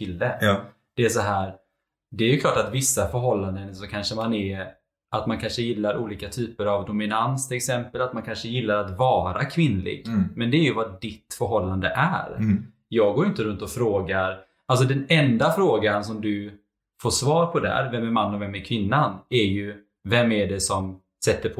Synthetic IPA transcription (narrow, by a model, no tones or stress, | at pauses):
t̪ʰɪld̪ɛ | d̪̥ɛæʂ̬aɦæːɾ | d̪ɛːɾjɵkʰlɑːʈat̪vɪsːafœɾɦɔlːand̪ənsɔkʰanʂəmanɛ | ʔat̪mankʰanʂəjɪlːaɾuːliːkat̪ʰyːpəɾavd̪ʊmɪnanst̪ʰɪlɛksɛmpəlat̪mankʰanʂəjɪlːaɾat̪vɑːɾa̰kʰvɪnːlɪ̰ɡmɛnd̪ɛːɾjɵvadɪt̪ːfœɾɦɔlːand̪əʔæɾ | jɑːɡoːɾjʏnt̪əɾɵnt̪ɔfɾoːɡaɾ | als̬ɔd̪ɛnɛnd̪afɾoːɡans̬ɔmd̪ɵ | foːʂvɑːɾpʰɔd̪æ̰ɾvɛmæɾmanːɔvɛmːæɾkʰvɪnːanɛjɵ | vɛmːæɖɛsɔm | sɛt̪ːəɾpʰ